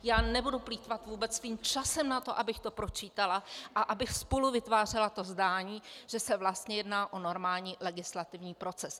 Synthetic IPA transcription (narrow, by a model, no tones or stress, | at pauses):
jaːnɛbudupliːt̪vat̪vuːbɛt͡ssviːmt͡ʃasɛmnat̪o̞ʔabɪxt̪o̞pɾo̞t͡ʃiːt̪alaʔaʔabɪxspoluvɪt̪vaːr̝ɛlat̪o̞zdaːɲiːʒ̥ɛsɛvlast̪ɲɛjɛdnaːʔo̞no̞ɾmaːlɲiːlɛɡɪslat̪ɪvɲiːpɾo̞t͡sɛs